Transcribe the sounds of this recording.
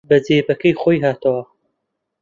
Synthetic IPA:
bɐzeːbɐkɐjχoːjɦaːt̪ʰɐwɐ

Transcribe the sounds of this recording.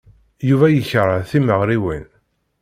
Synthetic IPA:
juvæjəçɾˤəθiməʁɾiwin

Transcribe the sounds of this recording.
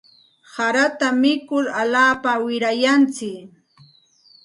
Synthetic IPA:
saɾat̪amɪkʊɾaʎaːpawɪɾajant͡sɪk

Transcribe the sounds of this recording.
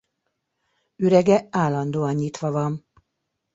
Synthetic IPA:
yɾɛɡɛaːlɒnd̪oːɒnɲit̪ʋɒvɒn

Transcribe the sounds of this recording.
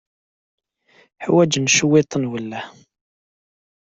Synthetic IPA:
ħwæd͡ʒnʃəwet̪ˤənwəlːæ

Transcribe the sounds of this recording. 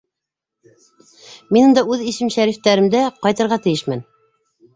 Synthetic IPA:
minɤ̆nd̪ɑʉðiʃɘmʃæɾift̪æɾɘ̆md̪æqɑjt̪ɤ̆ɾʁɑt̪ɘ̆jɘʃmæn

